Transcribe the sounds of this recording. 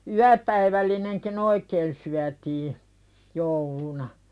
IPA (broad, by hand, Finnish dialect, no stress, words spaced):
yæpæiʋælːineŋkin oikeːn syætiː joulunɑ